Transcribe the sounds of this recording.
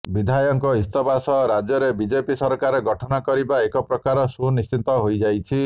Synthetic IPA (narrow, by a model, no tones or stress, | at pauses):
bid̪ʱajɔŋkɔist̪ɔbasɔɾad͡ʒjɔɾebid͡ʒepisɔɾkaɾeɡɔʈʰɔnakɔɾibaekɔpɾɔkaɾɔsunist͡ʃit̪ɔɦojd͡ʒajt͡ʃʰi